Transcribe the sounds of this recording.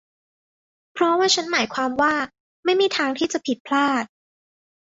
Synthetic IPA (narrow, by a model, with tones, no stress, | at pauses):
pʰɾɔ˦˥waː˥˩t͡ɕʰa˦˥nmaː˩˦jkʰwaː˧mwaː˥˩ | ma˥˩jmiː˧˩t̪ʰaː˧ŋt̪ʰiː˥˩t͡ɕa˨˩pʰi˨˩t̪̚pʰlaː˥˩t̪̚